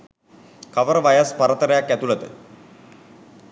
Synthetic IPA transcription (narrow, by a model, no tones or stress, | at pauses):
kaʋəɾəʋajəspaɾət̪əɾəjakːæt̪ulɐt̪ə̰